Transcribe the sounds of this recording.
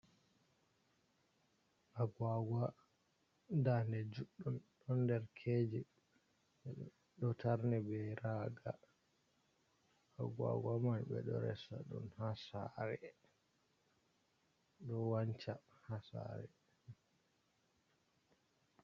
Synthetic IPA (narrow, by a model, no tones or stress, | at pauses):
ʔaɡwaɡwa | danɛd͡ʒuɗːumɗɔndɛɾkʰed͡ʒi | ɗɔtʰaɾnɛbɛɾaɡa | aɡwa̰ɡwamanbɛ̰ɗɔɾɛ̰saɗunhasaɾɛ | ɗɔwaɲt͡ʃa | hasa̰ɾɛ